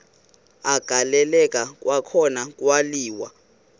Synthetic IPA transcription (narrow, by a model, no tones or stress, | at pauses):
aɡ̥ʱalɛlɛkʼak̬ʼwakʰɔnak̬ʼwaliːwa̰